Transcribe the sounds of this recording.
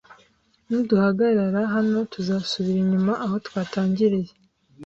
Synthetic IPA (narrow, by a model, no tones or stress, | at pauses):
nuduhaɡaɾaɾaɦano̞tuzaːsuβiɾiɲumaʔaho̞twaːtaːɲɟiɾije